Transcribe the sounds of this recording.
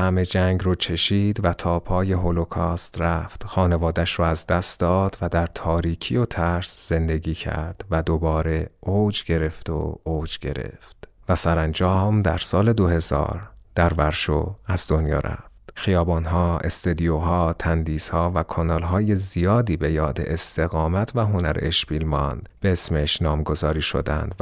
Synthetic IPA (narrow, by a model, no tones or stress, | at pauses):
hæme̞d͡ʒæŋɡɾoːt͡ʃʰe̞ʃiːd̪væt̪ʰɒːpʰɒːje̞ɦolokʰɒːst̪ɾæft̪xɒːne̞vɒːd̪æʃɾɔːæzd̪æst̪d̪ɒːd̪væd̪æɾt̪ʰɒːɾiːcʰijot̪ʰæɾsz̥e̞nd̪e̞ɡiːcʰæ̰ɾd̪̥væd̪obɒːɾe̞od͡ʒɟe̞ɾe̞ft̪o̰od͡ʒɟe̞̰ɾḛft̪væsæɾænd͡ʒɒːmd̪æɾsɒːle̞d̪ohe̞zɒ̰ːɾd̪̥æɾvæɾʃo̰æzd̪o̞njɒ̰ːɾʔæ̰ft̪χijɒːbɒːnɦɒːʔe̞̰st̪ed̪ijoɦɒːt̪ʰænd̪iːshɒːvækʰɑnɒːlɦɒːje̞zijɒːd̪iːbe̞jɒːd̪ḛʔest̪ʰe̞ɣɒːmæt̪ʰvæɦo̞næɾḛeʃbiːlmɒnd̪̥b̥e̞esmeʃnɒːmɡo̞zɒːɾiːʃo̰d̪æ̰nd̪